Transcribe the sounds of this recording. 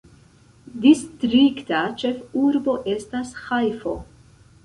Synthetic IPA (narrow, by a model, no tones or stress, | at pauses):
distɾiktat͡ʃe̞fuɾbo̞ʔe̞stashajfo̞